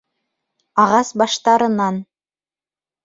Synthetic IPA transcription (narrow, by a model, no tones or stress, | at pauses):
ɑʁɑsbɑʃt̪ɑɾɤ̆nɑn